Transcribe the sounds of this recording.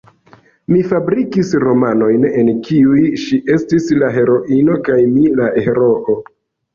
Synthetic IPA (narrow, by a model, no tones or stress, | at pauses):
mifabɾikisɾo̞mano̞jne̞nkʰiujʃiʔe̞stislaɦe̞ɾo̞ʔino̞kajmilaʔeɾoʔo